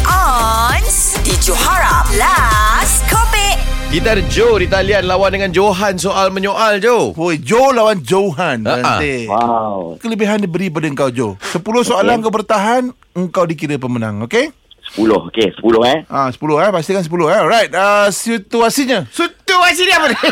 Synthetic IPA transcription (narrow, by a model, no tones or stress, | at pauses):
ʔɔns | did͡ʒohaɹãmlaskʰɔbɛt̚ɡid̪ard͡ʒoɾit̪alianlawandəŋand͡ʒoɦansoʔalmə̃ɲoʔald͡ʒood͡ʒolawand͡ʒoɦanaat̪ewawkələbiɦandibəɾip̬adaəŋkawd͡ʒosəpulʊhsoalaəŋkawbərt̪aɦan | əŋkawdik̬iɾəp̬əmənã̰ŋoke | sə̥pulʊ̰hokesə̥pulʊhɛʔasə̥pulʊhapas̬t̪ikansəp̬ulʊhaɔlɾajt̚asit̪uasiɲəsut̪uasiniapəd